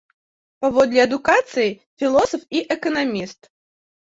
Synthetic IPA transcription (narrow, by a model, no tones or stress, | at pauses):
pavɔd̪lʲiɐd̪ukat̪sɨji | fʲilˠɔsɐfiʔɛkɐnamʲist̪